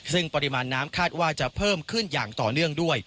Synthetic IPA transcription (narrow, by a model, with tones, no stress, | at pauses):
sɯ˥˩ŋpa˧ɾi˧maː˧nːaː˦˥mkʰaː˥˩t̪̚waː˥˩t͡ɕa˨˩pʰɤː˥˩mkʰɯ˥˩njaː˨˩ŋt̪ɔː˨˩nɯ˥˩əŋdu˥˩əj